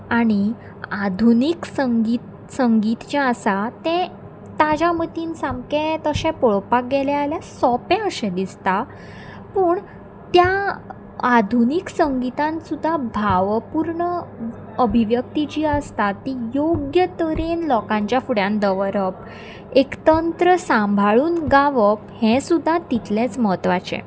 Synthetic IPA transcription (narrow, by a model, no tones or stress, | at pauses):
aɽ̃i | ad̪ʱuniksəŋɡit̪ | səŋɡit̪t͡ɕjaəsat̪ɛ̃ | t̪ad͡ʑamət̪iːnsãmkẽt̪əɕɛ̃poɭpak̚ɡɛlɛaljasɔpɛ̃əɕɛ̃d̪ist̪a | pəːɳ | t̪ja | ad̪ʱuniksəŋɡit̪ãnsud̪ʱːabʱaʋpuɾɳə | əbʱiʋjək̚t̪it͡ɕiːəst̪at̪ːijoɡjət̪əɾenlɔkãɲt͡ɕjafuɽjãnd̪əʋɾəp | ekt̪ənt̪ɾəsãmbʱaɭuːnɡaʋəphɛ̃sud̪ʱːat̪it̪lẽt͡sməɦət̪ʋat͡ɕḛ̃